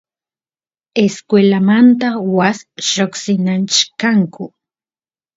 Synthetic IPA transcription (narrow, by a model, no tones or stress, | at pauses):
eskwelamant̪awasʃoksɪnant͡ʃkaŋkʊ